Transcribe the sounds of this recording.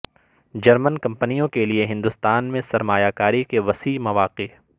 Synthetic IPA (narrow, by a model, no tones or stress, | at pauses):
d͡ʒɐɾmənkɐ̃mpənijõkelieɦɪ̃nd̪ʊst̪aːnmẽsɐɾmaːjakaːɾikeʋɐsiːmɐʋaːqe